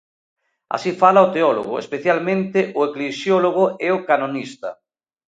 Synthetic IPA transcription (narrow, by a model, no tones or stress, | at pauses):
a̰sifalaot̪eɔlo̰ɣʊ̰ḛspeθjalmẽnt̪eʔʊeklesjɔloɣ̞oɛʊkanonist̪ɐ